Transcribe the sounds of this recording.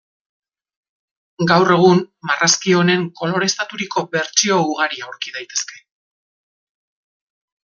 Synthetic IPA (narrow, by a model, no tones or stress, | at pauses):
ɡawre̞ɣ̞unmarʔaskio̞ne̞ŋko̞lo̞ɾe̞st̪at̪uɾiko̞βe̞ɾt͡ʃio̞uɣ̞aɾiawɾkiðajt̪e̞ske̞̥